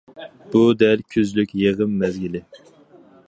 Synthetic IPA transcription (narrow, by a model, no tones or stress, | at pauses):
b̥ud̪ɛɾkʲʰøzlykʲjeʁəmːɛzɡʲilɪ